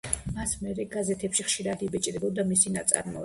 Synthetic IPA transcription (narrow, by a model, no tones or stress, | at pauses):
masmɛɾɛɡazɛt̪ʰɛpʃiχʃiɾad̪ibɛt͡ʃʼd̪ɛbɔd̪amisinat̪sʼa̰ɾmɔ̰